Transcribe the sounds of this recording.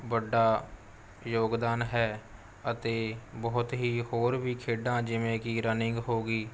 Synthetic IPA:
bəɖaː | joːɡd̪aːnɦɛː | ət̪eːbəːʊt̪ɦiːhoːɾbiːkʰeːɖãːd͡ʒɪʋẽːkiːɾənɪŋɡɦoːɡiː

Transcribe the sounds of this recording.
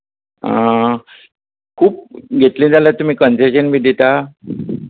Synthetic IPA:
ã̰ | kʰuːp̚ɡʱet̪lĩːd͡zalət̪um̤iːkənseɕənbʱid̪ʱit̪a

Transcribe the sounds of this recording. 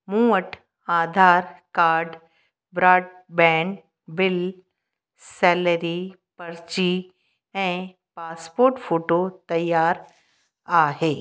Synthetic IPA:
mũːəʈʰ | aːd̪ʱaːɾkaːɾɖ | bɾaːɖ̚ | bɛ̃ːɳ | bɪl | sɛːləɾi | pɐɾt͡ɕi | ɛ̃ | paːspoːɾʈfʰoːʈot̪ɐjːaːɾ | aːɦeː

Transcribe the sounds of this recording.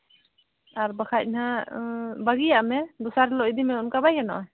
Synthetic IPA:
aɾbakʰanha | baɡijaʔmɛd̪ɔsaɾlɔʔid̪imɛunkabajkanɔ̰ʔ

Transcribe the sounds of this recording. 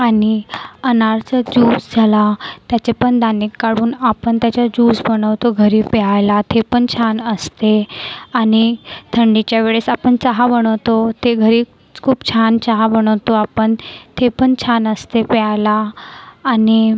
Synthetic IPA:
aniənaɾt͡səd͡ʑuːsd͡zʱalat̪jat͡ɕepəɳd̪anikːaɽuːnapəɳt̪jat͡ɕad͡ʑuːsbəɽəʋt̪oɡʱəɾiːpɛajlat̪ʰepəɳt͡ɕʰanəst̪eanit̪ʰəɳɖit͡ɕjaʋeɭesapəɳt͡saɦabəɽ̃əʋt̪ot̪eɡʱəɾiː | kʰuːbt͡ɕʰant͡ɕaɦabəɽ̃əʋt̪oapəɳt̪ʰepəɳt͡ɕʰanəst̪epɛajlaː | ni

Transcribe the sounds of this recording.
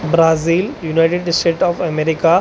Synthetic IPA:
bɾaːziːljunaɪʈeɖsʈeːʈɔːfɐmeɾɪka

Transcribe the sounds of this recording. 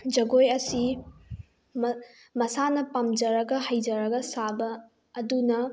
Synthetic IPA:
d͡ʒɐɡojɐsi | m | mɐsanɐpɐmd͡ʒɐɾɐɡɐhɐjd͡ʒɐɾɐɡɐsabɐː | dunɐ

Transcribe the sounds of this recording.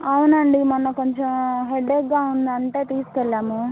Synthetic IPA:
ɐwunɐɳɖimɐnːɐkoɲt͡ʃemɦeɖeɡːaːund̪ɐɳʈe̞ːt̪iːsu̥kɛlːaːmu

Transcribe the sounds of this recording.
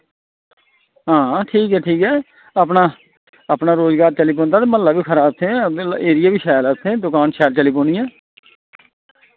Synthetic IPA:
ɦãːʈʰiːkɦɛːʈʰiːkɦɛː | aːpnaː | əpnaːɾoːzɡaːɾt͡ʃəliːp̬õːnd̪aːt̪eːməllːaːbiːkʰəɾaːb̚t̪ʰẽːeːɾɪjaːbiːʃɛːlat̪ʰːẽːd̪ʊkaːnʃɛːlt͡ʃəliːpõːnɪjãː

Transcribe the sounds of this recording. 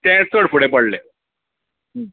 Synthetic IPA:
t̪ẽsəɽfuɽepəɽle

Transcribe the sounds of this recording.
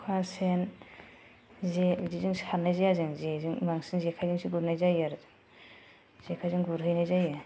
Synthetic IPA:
kʰwasen | zezizɯŋshanajzajazɯŋzezɯŋmaŋsinzekʰajzɯŋsʰiɡuɾnajzajaɾzɯŋ | z̥ekʰajzɯŋɡuɾɦɯjnajzajɯ

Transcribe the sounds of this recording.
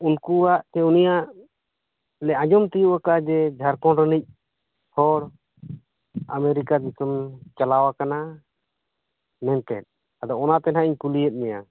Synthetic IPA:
unkuwaʔt̪ɛunijaʔ | lɛʔãd͡ʒɔmt̪ijuʔakad͡ʒɛd͡ʒʱaɾkɔɾənic̚ˀ | hɔɽ | a̰mɛɾikad͡ʒisɔmt͡ʃalawakana | mɛnt̪ɛ̰t̪̚ | ad̪ɔɔnat̪ɛnɦaʔiɲkulijɛt̪̚ˀmɛja

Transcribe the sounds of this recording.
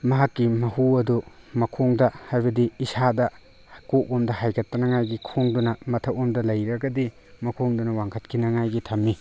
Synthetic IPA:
mɐɦakːimɐhuɐdumɐkʰoŋdɐhajbɐdiːsadɐ | koʔomdɐɦajkʰɐtːɐnɐŋajɡikʰoŋdunɐmɐtʰɐwomdɐlɐjɾɐɡɐdi | mɐkʰoŋdunɐwaŋkʰɐt̚kʰinɐŋajɡitʰɐmːi

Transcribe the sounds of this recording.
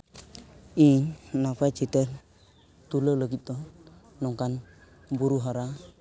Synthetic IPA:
innapat͡ʃitə | t̪ulələɡit̪o | nɔŋkan | buɾuɦaɾa

